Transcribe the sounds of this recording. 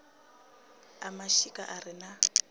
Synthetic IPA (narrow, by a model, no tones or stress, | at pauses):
amaʃikʼaʔarina